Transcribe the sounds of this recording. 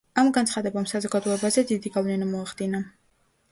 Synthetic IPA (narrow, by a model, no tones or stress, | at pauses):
amɡant̪sχad̪ɛbamsazɔɡad̪ɔɛbazɛd̪id̪iɡavlɛnamɔaχd̪ina